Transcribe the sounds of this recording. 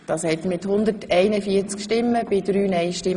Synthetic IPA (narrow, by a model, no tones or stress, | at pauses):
d̥ɑːshɛtmɪthʊnd̪ətʰɛɪnəfiət͡skʃtɪmːəbɪdɾyːnɛjʃtɪm